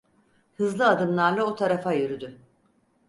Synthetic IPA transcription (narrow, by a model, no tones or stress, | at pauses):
hɯzlˠɯad̪ɯmlˠaɾlˠaot̪ʰaɾafajyɾyd̪y